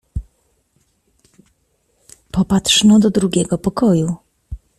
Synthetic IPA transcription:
pɔpat̪ʂnɔd̪ɔd̪ɾuɡʲɛɡɔpɔkɔju

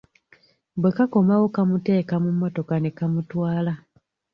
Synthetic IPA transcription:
bwe̞kako̞mawo̞kamute̞ːkamumːo̞to̞kane̞kamutwaːla

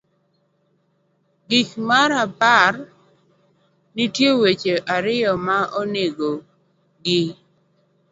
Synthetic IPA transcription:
ɡikmaɾapar | nitjewet͡ʃeʔaɾɪɔmaʔoneɡo | ɡɪ

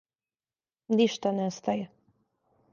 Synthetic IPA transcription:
niʃt̪anɛst̪ajɛ

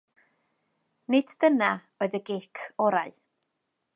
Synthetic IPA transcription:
nɪddəna | oːɨðəɡekʰɔɾaɨ

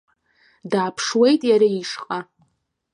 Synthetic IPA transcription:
daːpʰʂwejtʼjaɾaiʂqʼa

